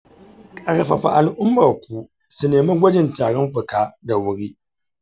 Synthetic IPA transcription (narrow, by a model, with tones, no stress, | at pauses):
kʼa˨ɾɐ˨ɸɐ˨ɸa̰˨ʔa˨lʔʊ˦mːɐ˨kʷu˦ | su˦neː˨ma˦ɡʷɐ˦d͡ʒɪ˨ntaː˨ɽɔ˦mɸʊ˨kaː˦da˨wʊ˦ɽiː˦